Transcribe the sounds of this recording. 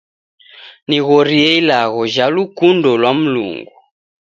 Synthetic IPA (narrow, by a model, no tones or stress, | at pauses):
niɣɔɾiɛilaɣɔʒalukundɔlwam̩lṵŋɡu